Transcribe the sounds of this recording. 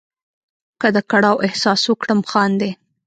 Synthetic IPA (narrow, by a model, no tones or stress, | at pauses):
kəd̪əkaɽɑwʔɪhsɑswəkɽəmxɑnd̪e